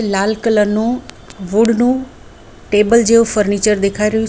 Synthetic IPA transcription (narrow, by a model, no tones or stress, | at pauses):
laːlkələɾnũː | ʋʊɖnũː | ʈeːbəld͡ʒeːopʰəɾniːt͡ʃəɾd̪ekʰaːiɾəo